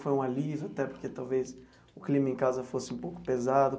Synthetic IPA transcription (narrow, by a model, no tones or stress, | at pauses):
fojũalizʊat̪ɛpoɾket̪awves | ʊklĩmɐẽkazɐfosɪũpowkʊ̥pezad̪ʊ